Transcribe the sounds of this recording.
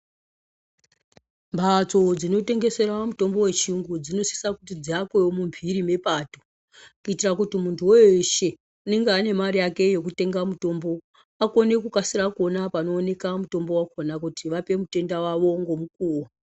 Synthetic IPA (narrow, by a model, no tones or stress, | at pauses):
mbʱat͡so̞d͡zino̞te̞ŋɡe̞se̞ɾamuto̞mbo̞we̞t͡ʃiuŋɡud͡zino̞si̥sakutid͡ziakweomumbʱiɾime̞paːto̥ | kuitirakutimuntʰuweʃe̞ | une̞ŋɡeane̞maɾijake̞jo̞k̬ute̞ŋɡamuto̞mbo̞ | ako̞ne̞kukasiɾakuonapano̞ːne̞kamuto̞mbo̞wakonakutiʋape̞mute̞ndawaʋo̞ŋɡomuk̚uːwo